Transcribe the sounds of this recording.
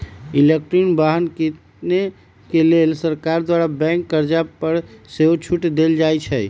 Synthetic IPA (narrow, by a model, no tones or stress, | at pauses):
ilek̚ʈɾinbaɦənkit̪ | ne | kelelsəɾkaɾd̪waɾabɛ̃ŋkːəɾd͡ʒapəɾseɦot͡ʃʰuʈd̪eld͡ʒajt͡ʃʰəj